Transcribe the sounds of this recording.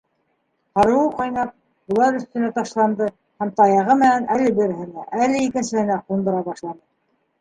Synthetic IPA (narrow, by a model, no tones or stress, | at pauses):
hɑɾɤ̆wɤqɑjnɑp̚ | bŭlˠɑɾɵ̆θt̪ɵ̆næt̪ɑʃlˠɑnd̪ɤ | hæmt̪ɑjɑʁɤmɘ̆nænʔælɘbɘ̆ɾɘ̆ɦɘ̆næʔælɘikɘ̆nsɘ̆hɘ̆næqund̪ɤ̆ɾɑβɑʃlˠɑnɤ